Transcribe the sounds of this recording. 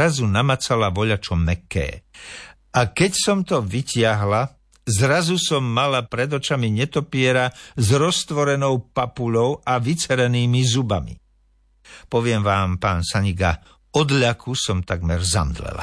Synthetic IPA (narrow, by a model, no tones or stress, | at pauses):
azunamat͡salaʋɔʎat͡ʃɔmɛkːɛ̰ː | ʔakɛcsɔmt̪ɔʋicɪaɦla | zɾazusɔmːalapɾɛd̪ɔt͡ʃamiɲɛt̪ɔpɪɛɾazɾɔst̪ʋɔɾɛnɔʊpapuʎɔʊaʋit͡sɛɾɛniːmizubamḭ | pɔʋɪɛmʋaːmpaːnsaɲiɡa | ɔd̪ʎakʰusɔmt̪aɡmɛɾza̰md̪lɛ̰la̰